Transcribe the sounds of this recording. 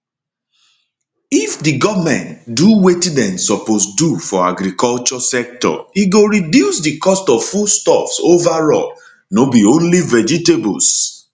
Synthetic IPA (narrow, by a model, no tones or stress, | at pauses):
ifdiɡɔvmɛ̰̃ntduwetidɛ̃msɔposdufɔa̰ɡɾikɔlt͡ʃɔsɛk̚tɔ̰iɡoɹidjusdikɔstɔvfustɔfsovaɹɔ̰l | nobiõnlivɛd͡ʒitebṵs